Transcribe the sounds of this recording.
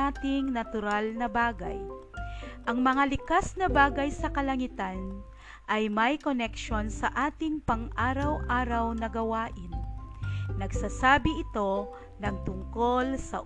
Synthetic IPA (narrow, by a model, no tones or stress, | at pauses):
at̪ɪŋnɐt̪ʊɾalnɐbaːɡɐ̰j | ʔɐŋmɐŋalɪkasnɐbaːɡɐjsɐkɐlɐŋɪt̪an | ʔɐjmɐjkonɛkʃo̞nsɐʔaːt̪ɪŋpɐŋʔaːɾɐwʔaːɾɐwnɐɡɐwaːʔɪnː | ɐɡsaːsaːbɪʔɪt̪o̞ | nɐŋt̪ʊŋko̞lsɐ̰